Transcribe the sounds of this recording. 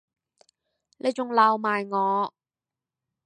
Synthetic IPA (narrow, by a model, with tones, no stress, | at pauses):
nʔe˨˧jt͡sʊ˨ŋlaː˨˧wmaː˨jŋɔː˨˧